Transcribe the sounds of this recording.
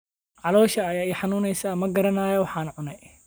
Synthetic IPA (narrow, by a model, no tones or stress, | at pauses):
ʕɑlɔːʃɐːjaːɛjħɑnuːnɛjsamɐɡɐɾɐnaːjɔwɑħɑːnɐʕʊnɛj